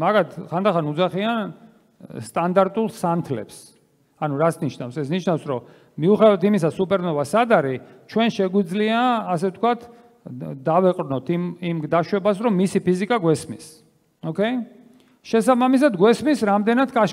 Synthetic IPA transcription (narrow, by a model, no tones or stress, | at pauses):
maɡat̪ʰχand̪aχanud̪zaχian | st̪ʼand̪aɾt̪ʼulˠsant̪ʰlɛ̰ps | anuɾat̪sʰniʃnafsɛsniʃnafsɾɔ | miuχɛd̪avat̪ʰimisasupʼɛɾnɔvasad̪aɾit͡ʃʰwɛnʃɛɡwid̪zliaːsɛft̪ʰkwat̪ʰ | d̪avɛqʼɾnɔt̪ʰimimɡd̪aʃwɛbasɾɔmːisipʰizikʼaɡwɛsmis | ɔkʰɛ | ʃɛsabamis̬ad̪ɡwɛsmisɾamd̪ɛnat̪ʰkʼaʃ